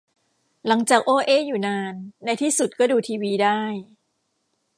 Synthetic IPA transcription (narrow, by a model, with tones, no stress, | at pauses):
la˩˦ŋt͡ɕaː˨˩k̚ʔoː˧ʔeː˧˥˩juː˨˩naː˧nːa˧jt̪ʰiː˥˩su˨˩t̪̚kɔː˥˩duː˧t̪ʰiː˧wiː˧daː˥˩j